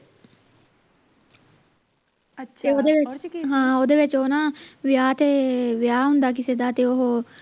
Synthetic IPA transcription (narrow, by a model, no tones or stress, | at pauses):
od̪eʋeɦãːod̪eʋet͡ʃoːnaʋjaːt̪eʋjaːɦund̪aːk̬ised̪aːt̪eoɦo